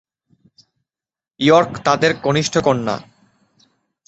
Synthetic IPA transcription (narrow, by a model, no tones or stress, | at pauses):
uɔɾkt̪ad̪eɾɡoniʃʈʰokonːa̰